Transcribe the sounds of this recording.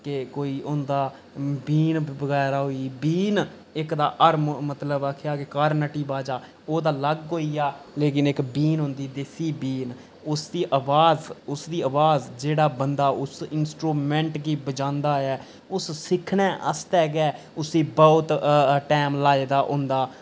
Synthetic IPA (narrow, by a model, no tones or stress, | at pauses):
kekoːiːʊ̃nd̪aː | biːnbəɡɛːɾaːɦoiːbiːn | ɪkd̪aːʔəɾmmət̪ləbaːkʰɪjaːkekəɾnəʈiːbaːd͡ʒaː | oːd̪aːləɡːoːiːaːleːk̬ɪnɪkbiːnɦõnd̪iːd̪esiːbiːn | ʊsd̪iːʔəʋaːzʊsd̪iːəʋaːzd͡ʒeːɽaːbənd̪aːʔʊsɪnsʈɾuːmɛ̃ːɳʈɡiːbəd͡ʒãːnd̪aːɛː | ʊssɪkʰnɛ̃ːʔə̰st̪ɛːɡɛː | ʊsd̪iːbəːʊt̪ʈɛːmlaːeːd̪aːʔʊ̃ːnd̪aː